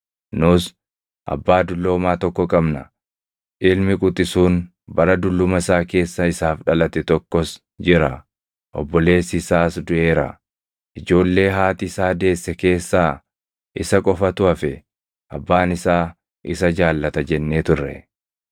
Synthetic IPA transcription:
nʊs | ʔɐ̰bːaːd̪ʊlːo̞ːmaːt̪ɔkːɔkʼɐbnɐ | ʔɪlmɪkʼʊt̪ʼɪsuːn | bɐɾɐd̪ʊlːʊmɐɪsaːke̞ːsːɐɪsaːfᶑɐlɐt̪ɛt̪ɔkːɔs | d͡ʒɪɾɐ | ʔɔ̰bːɔle̞ːsɪsaːsd̪ʊʔe̞ːɾɐ̰ | ʔɪd͡ʒo̞ːlːe̞ːɦaːt̪ɪɪsaːd̪e̞ːsːɛke̞ːsːaː | ʔɪsɐkʼɔfɐt̪ʊɐfɛ | ʔɐ̰bːaːnɪsaː | ʔɪsɐd͡ʒaːlːɐt̪ɐd͡ʒɛnːeːt̪ʊrːɛ̰

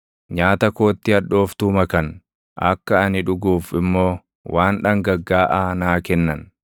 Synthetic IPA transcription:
ɲaːt̪ɐko̞ːt̪ːɪɐᶑːo̞ːft̪uːmɐkɐn | ʔɐkːɐɐnɪᶑʊɡuːfɪmːo̞ː | wʔaːnᶑɐŋɡɐɡːaːʔaːnaːkɛnːɐn

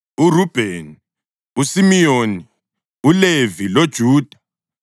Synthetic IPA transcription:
urub̥ʱen | usimijoni | ulevilod̥ʒ̥ʱuːd̥ʱa

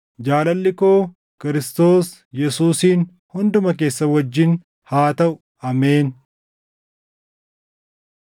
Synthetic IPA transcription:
d͡ʒaːlɐlːɪkoː | kɪɾɪst̪o̞ːs | jɛsuːsiːn | hʊnd̪ʊmɐk̬e̞ːsːɐwɐd͡ʒːɪn | haːt̪ɐʔʊ | ɐmeːn

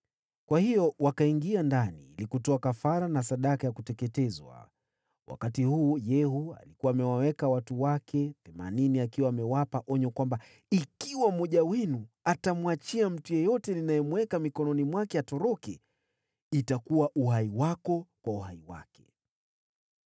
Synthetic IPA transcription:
kwahijɔwakaiŋɡiandanḭːlikutɔakafaɾanasaɗakajakutɛkɛtɛzwa̰ | wʔa̰katihuːjɛhua̰likuwaːmɛwawɛkawatuwakʰɛθɛma̰niniakiwaːmɛwapaʔɔɲɔkwamba | ikiwamɔʄawɛnuatamwat͡ʃiam̩tujɛjɔtɛninajɛmwɛkamikɔnɔnimwakɛatɔɾɔkɛ | itakuwaʔuɦaiwakɔkwauhaiwa̰kɛ̥

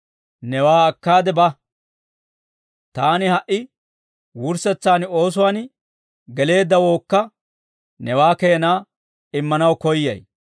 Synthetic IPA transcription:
nɛwaːɐkːaːd̪ɛbɐ | t̪aːnɪhɐʔɪ | wʊɾsɛt͡sːaːno̞ːs̬ʊwaːn | ɡɛle̞ːd̪ːɐwo̞ːkːɐ | nɛwaːkejːnaː | ɪmːɐnɐwkɔjːɐ̰j

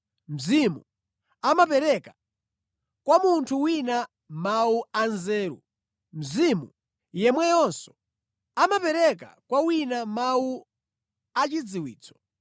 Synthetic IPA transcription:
m̩zimṵ | amapɛɾɛka | kwamuntʰuwina | mauanzɛːɾṵ | m̩zimu | jɛmwɛjɔnsɔ̥ | amapɛɾɛka̰kwawinamawu | at͡ʃid͡ziwḭːt͡sɔ̥

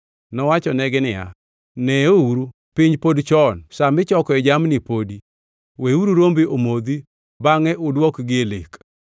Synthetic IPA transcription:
nɔwat͡ʃɔnɛɡɪnɪja̰ | nɛouɾu | pɪɲd͡ʒpodt͡ʃɔnsamɪt͡ʃɔkɔɛd͡ʒamnipodi | weuɾuɾombiomod̪i | baŋɛʔʊdwɔkɡɪelek

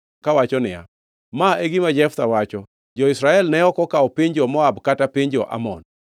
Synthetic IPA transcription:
kawat͡ʃɔnɪja̰ | maeɡimad͡ʒɛft̪awat͡ʃɔ | d͡ʒɔɪsɾaɛlnɛɔkɔkaɔpɪɲd͡ʒɔmɔabkatapɪɲd͡ʒɔʔa̰mɔn

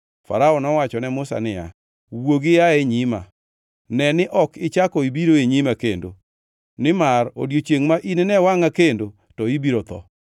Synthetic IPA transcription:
fa̰ɾaɔnɔwat͡ʃɔnɛmʊsa̰nɪja̰ | woɡɪjaɛɲɪma | nɛnɪʔɔkɪt͡ʃakɔibiɾoeɲimakendo̰ | nɪmaro̰djot͡ʃeŋmaʔinɪnɛwaŋakendo | tɔibiɾot̪ɔ̰

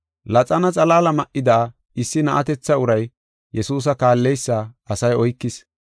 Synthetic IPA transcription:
lɐt͡sʼɐnɐt͡sʼɐlaːlɐmɐʔɪd̪aː | ɪsːɪnɐʔɐt̪ɛt͡sːɐʊɾɐj | jɛsuːs̬ɐkaːlːɛjsːaːɐsɐjɔjkːɪs

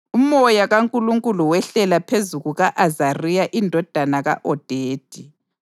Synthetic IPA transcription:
umɔjaɣaŋkʼuluŋkʼuluwɛɬɛlapʰezuɣuɣaʔazarijaʔindʱɔd̥ʱanaɣa̰ʔɔd̥ʱeːd̥ʱi

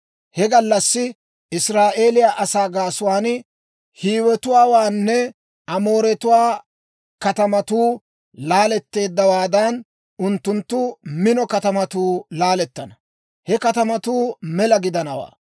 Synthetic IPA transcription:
hɛɡɐlːɐsːɪ | ʔɪsɾaːʔe̞ːlɪjaːʔɐsaːɡaːsʊwaːn | hiːwɛt̪ʊwaːwaːnːɛ | ʔɐmo̞ːɾɛt̪ʊwaː | kɐt̪ɐmɐt̪uː | laːlɛt̪ːe̞ːd̪ːɐwaːd̪ɐn | ʊnt̪ːʊnt̪ːʊmɪnɔkɐt̪ɐmɐt̪uːlaːlɛt̪ːɐnɐ | hɛkɐt̪ɐmɐt̪uːmɛlɐɡɪd̪ɐnɐwa̰ː

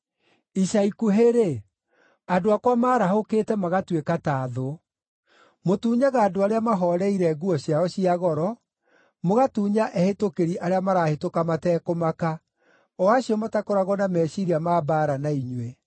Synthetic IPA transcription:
iʃaikuɦeɾe | adoakwamaːɾaɦokeːtɛmaɣatwekataːðo | motuːɲaɣaːdoaɾeamaɦɔɾɛiɾɛɡuɔɕjaɔɕiaɣɔɾɔ | moɣatuːɲaʔɛhetokeɾiʔaɾeamaɾaːhetokamatɛːkomaka | ɔaɕiɔmatakoɾaɣɔnamɛːɕiɾiamaːbaːɾanaiɲwe

